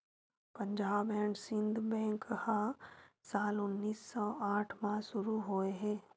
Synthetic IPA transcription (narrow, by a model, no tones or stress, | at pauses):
pə̃ɲd͡ʒaːbɛ̃ːɳsɪ̃nd̪ʱbɛ̃ːŋkhasaːlʊnːiːsːɔːʔaːʈʰmãsʊɾuɦoːeɦɛː